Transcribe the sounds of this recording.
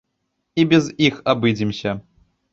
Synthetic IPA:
ibʲɛzixabɨd͡zʲimsʲɐ

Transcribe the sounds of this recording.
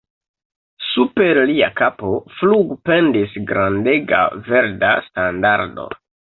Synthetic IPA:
supe̞ɾliakapo̞fluɡpe̞ndisɡɾande̞ɡa̰ve̞ɾdastandaɾdo̞̰

